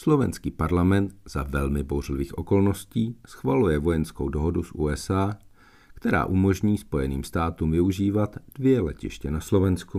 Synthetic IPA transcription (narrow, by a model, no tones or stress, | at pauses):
slo̞vɛ̰nskiːpaɾlamɛnt̪z̥avɛlmɪbowrlɪviːxʔo̞ko̞lno̞sciːsxvalujɛvo̞jɛnsko̞wdo̞ɦo̞dusʔuːɛsaː | kt̪ɛɾa̰ːʔumo̞ʒɲiːspo̞jɛnḭːmst̪aːt̪uːmvɪuʒiːvat̪d̥vɪjɛlɛ̰cɪ̰ʃcɛnaslo̞vɛnsku